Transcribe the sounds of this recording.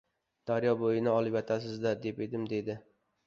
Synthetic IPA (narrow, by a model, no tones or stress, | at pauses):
d̪̥aɾjɒbojɪnɪɒlˠɪpjɒt̪ʰasɪzd̪aɾd̪e̞pe̞d̪ɪmd̪e̞d̪ɪ